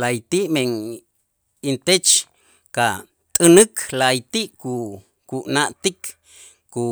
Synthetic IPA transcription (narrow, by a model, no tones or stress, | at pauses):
lajt̪iʔmeŋ | int̪et͡ʃ | ka | t̪ʼɨnɨkʰlajt̪iʔku | kuʔnaʔt̪ikː | u